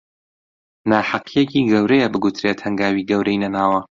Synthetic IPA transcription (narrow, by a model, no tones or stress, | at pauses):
naːħaqʰijeciːɡɐwɾejɛbɨɡut̪ʰɾeːt̪hɐŋɡaːwiːɡɐwɾɐjnɐnaːwɐ